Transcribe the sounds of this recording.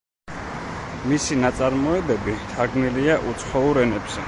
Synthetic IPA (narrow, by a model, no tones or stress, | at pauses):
misinat̪sʼaɾmɔɛbɛbit̪ʰaɾɡniliaʔut̪sʰχɔuɾɛnɛbz̥ɛ